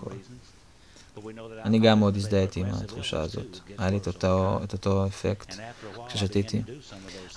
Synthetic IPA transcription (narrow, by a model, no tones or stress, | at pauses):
o̰l | aniɡamod̪is̬d̪aet̪iːma̰t̪χuʃa̰azo̞̰t̪ajalitet̪ot̪o̞efekt̪kʃe̞ʃat̪it̪i